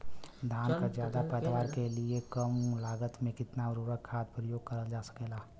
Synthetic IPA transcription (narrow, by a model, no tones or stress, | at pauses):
d̪ʱaːnkad͡ʒjaːd̪apɛːd̪ʋaːɾkeliekəmlaːɡət̪mẽkɪt̪naɾuɾəkʰːaːt̪pɾəjoːɡ̚kəɾəld͡ʒaːsə̥keːlaː